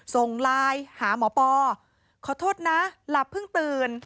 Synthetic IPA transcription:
so˨˩ŋlaː˧jhaː˩˦mɔː˩˦pɔː˧ | kʰɔː˨˩˦t̪ʰoː˥˩t̪̚na˦˥la˨˩pʰːɯ˥˩ŋt̪ɯː˧n

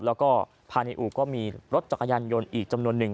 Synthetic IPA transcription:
lɛː˦˥wkɔː˥˩ | pʰaː˧ni˧ʔuː˨˩kːɔː˥˩miː˧ɾo˦˥t̪̚t͡ɕa˨˩ka˧jaː˧njo˧nʔiː˨˩k̚t͡ɕa˧mnu˧ənːɯ˨˩ŋ

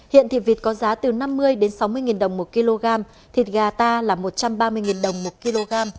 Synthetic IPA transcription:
hḭ˧˨ənt̪ʰḭ˨˩vi˨˩t̚kɔ˨˦zaː˨˦t̪ɨ˨˩na˧mːɨ˧əjɗe˨˦nsa˨˦wmɨ˧əjŋi˨˩nɗə˨˩wŋ͡mmo˨˩t̚ki˧lo˧ɣaː˧m | t̪ʰi˨˩t̚ɣaː˨˩t̪aː˧laː˨˩mo˨˩t̚t͡ɕa˧mɓaː˧mɨ˧əjŋi˨˩nɗə˨˩wŋ͡mmo˨˩t̚ki˧lo˧ɣaː˧m

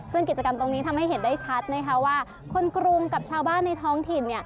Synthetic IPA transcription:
sɯ˥˩ŋki˨˩t̪̚t͡ɕa˧ka˧mt̪o˧ŋniː˦˥t̪ʰa˧mha˥˩jhe˩˦ndaː˥˩jt͡ɕʰa˦˥t̪̚na˦˥jkʰa˦˥waː˥˩ | kʰo˧nkɾu˧ŋka˨˩p̚t͡ɕʰaː˧wbaː˥˩nːa˧jt̪ʰɔː˦˥ŋt̪ʰi˨˩nːi˥˩ɐ

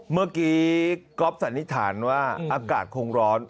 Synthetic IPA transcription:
mɯ˥˩kiː˦kɔ˦˥p̚sa˨˩˦nt̪ʰi˦˥t̪ʰa̰ː˩˦nwaː˥˩ʔaː˧kaː˨˩t̪̚kʰo˧ŋɾɔː˦˥n

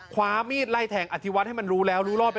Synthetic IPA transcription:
kʰwaː˦˥miː˥˩t̪̚la˧˥˩jt̪ʰɛː˨˩ŋʔa˨˩t̪ʰi˦wa˦˥ha˥˩jma˧nɾuː˦˥lɛː˦˥wɾuː˦˥lɔː˥˩pe˧

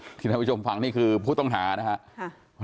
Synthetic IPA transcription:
iː˧a˧˩˦uː˥˩o˧mfa˧ŋniː˥˩kʰɯː˧pʰuː˥˩t̪ɔ˥˩ŋɦaː˩˦na˦˥kʰa˦˥ʔ

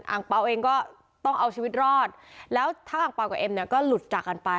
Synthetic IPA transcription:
ʔa̰ː˨˩ŋk͡pa˧wʔeː˧ŋkɔː˥˩ | t̪ɔ˥˩ŋʔa˧wt͡ɕʰiː˧wi˦˥t̪̚ɾɔː˥˩t̪̚lɛː˦˥wt̪ʰaː˥˩ʔaː˨˩ŋk͡pa˧wka˨˩ʔe˧mni˥˩ɐkɔː˥˩lu˨˩t̪̚t͡ɕaː˨˩kːa˧npa˧

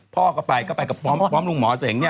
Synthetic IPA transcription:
pʰɔː˥˩kʰɔ˥˩pa˧jkɔː˥˩pa˧jka˨˩pɔː˦˥mpɾɔː˦˥mlu˧˩ŋmɔː˨˩˦seː˨˩˦ŋni˥˩˨

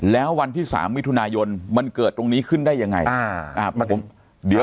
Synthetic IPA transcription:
lɛː˦˥wwa˧nt̪ʰiː˥˩sa̰ː˩˦mːi˦˥t̪ʰu˧naː˧jo˧nma˧nkɤː˨˩t̪ːɾo˧ŋniː˦˥kʰɯ˥˩ndaː˥˩jːa˧ŋːa̰˧ja˧ʔaː˧˩˧pʰo̰˩˦m | di˨˩˦

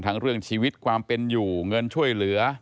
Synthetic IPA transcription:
nt̪ʰa˦˥ŋɾɯ˥˩əŋt͡ɕʰiː˧wi˦˥t̪̚kʰwaː˧mpe˧njuː˨˩ŋɤ˧nt͡ɕʰu˥˩əjlɯ˩˦ɐ

